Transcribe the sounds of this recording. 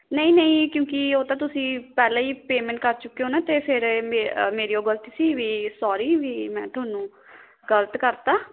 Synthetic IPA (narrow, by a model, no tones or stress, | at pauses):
nəĩːnəĩːkjõːkɪoːt̪ãːt̪ʊsĩːpɛːlãːiːpeːmɛ̃ːɳʈkəɾt͡ʃʊkːeoːnaːt̪eːpʰɪɾmemeːɾiːoːɡələt̪isiːʋiːsaːɾiːʋiːmɛ̃ːt̪ʊaːnũː | ɡələt̪kəɾt̪aː